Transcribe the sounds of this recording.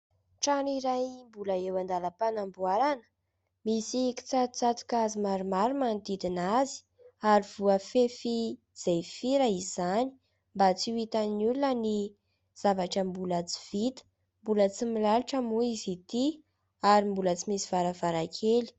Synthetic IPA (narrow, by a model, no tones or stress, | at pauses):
ʈ͡ʂaniɾajmbuləewand̪aləpanambuaɾanə̥ | misiki̥t͡sat̪t͡sat̪u̥kazimaɾumaɾumand̪id̪inazi̥ | aɾiv̥uəfefi | z̥ejfiɾaiz̥ani̥ | mbat͡siwit̪annulunəni | z̥avaʈ͡ʂəmbulat͡si̥v̥it̪ə̥ | mbulət͡similaliʈ͡ʂəmuizit̪i | aɾimbulət͡simisi̥vaɾavaɾakʰeli̥